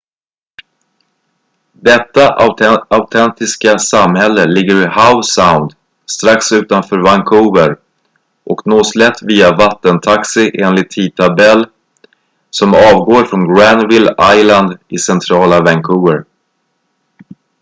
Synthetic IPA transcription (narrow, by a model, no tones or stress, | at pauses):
d̪ɛt̪ːaaʊt̪ʰɛnt̪ɪskasamhɛlːəlɪɡːəɾɪhaʊsaʊnd̪ | st̪ɾaksʉ̟ːt̪anfœːɾvaŋkʰuːvəɾ | ʔɔknoːslɛt̪ːviːavat̪ːənt̪ʰaksɪʔeːnlɪt̪ʰːiːt̪ʰabɛlː | sɔmɑːvɡoːɾfɾɔnɡɾand̪vɪlajland̪ɪsɛnt̪ʰɾɑːlavɛŋkʰuːvəɾ